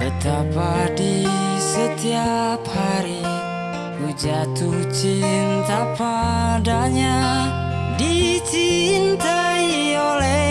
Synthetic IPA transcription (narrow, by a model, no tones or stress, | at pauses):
bət̪apadisət̪iaphaɾi | ud͡ʒat̪ut͡ʃimt̪apadaɲa | dit͡ʃint̪a | i | olɛ